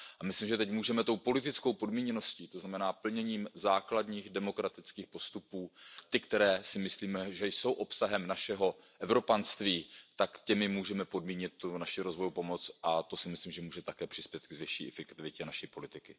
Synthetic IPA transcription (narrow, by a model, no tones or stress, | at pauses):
ʔamɪslimʒɛt̪ɛcmuːʒɛmɛt̪o̞wpo̞lɪt̪ɪt͡sko̞wpo̞dmiːɲɛno̞sciːt̪oznamɛnaːpl̩ɲɛɲiːmzaːkladɲiːxdɛmo̞kɾat̪ɪt͡skiːxpo̞st̪upuːt̪ɪkt̪ɛɾɛːsɪmɪsliːmɛʒɛjso̞wʔo̞psaɦɛmnaʃɛɦo̞ | ʔɛvɾo̞panst̪viːt̪akcɛmɪmuːʒɛmɛpo̞dmiːɲɪt̪̚ːunaʃɪɾo̞zvo̞jupo̞mo̞t͡sʔat̪o̞sɪmɪslimʒɛmuːʒɛt̪akɛːpr̥ɪ̥spjɛt̪kɡvɪʃḭːʔɛfɛkt̪ɪvɪcɛnaʃiːpo̞lɪt̪ɪkɪ